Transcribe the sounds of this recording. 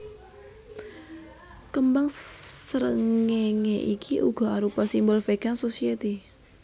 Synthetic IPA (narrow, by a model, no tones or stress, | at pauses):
kəmbaŋssəɾəŋeŋeʔikʰiʔuɡɔ̤aɾupasimbɔlfeɡansosiet̪i